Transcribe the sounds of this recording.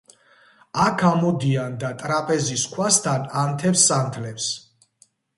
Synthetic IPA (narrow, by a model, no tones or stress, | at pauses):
akʰamɔd̪iand̪at̪ʼɾapʼɛziskʰwast̪ʰanant̪ʰɛpsːant̪ʰlɛps